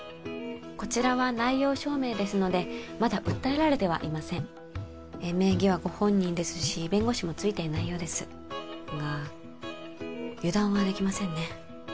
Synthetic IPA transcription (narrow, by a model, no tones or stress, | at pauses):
ko̞t͡ɕiɾaβanaijo̞ːɕo̞ːme̞ːd̪e̞sɨno̞d̪e̞mad̪aʔɯ̟t̪ːae̞ɾaɾe̞t̪e̞β̞a̰ʔimasẽ̞ŋː | me̞ːɡʲiβ̞aɡo̞hõ̞ɲ̟ːĩnd̪e̞sɨ̥ɕibẽ̞ŋɡo̞ɕimo̞t͡sɨit̪e̞naijo̞ːd̪e̞sɨ | ɡa | jɯ̟d̪ãɰ̃βad̪e̞kʲimasẽ̞nːe̞